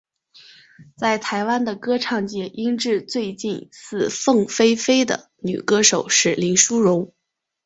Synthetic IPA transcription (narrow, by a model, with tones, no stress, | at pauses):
t͡sa˥˩ɪt̪ʰa˧˥ɪwa˥nd̪ə˨kɤ˥ʈ͡ʂʰɑ˥˧ŋt͡ɕjɛ˥˩ʔi˥ŋʈ͡ʂɻ̩˥˧t͡swe˥˧ɪt͡ɕi˥˧nsɹ̩˥˧fɤ˥˩ŋfe˥ɪfe˥ɪd̪ə̰˨˩ | ny̰˨˩kɤ˥ʂo˨˩ʊʂɻ̩˥˩li˧˥nʂu˥ɻʊ˧˥ŋ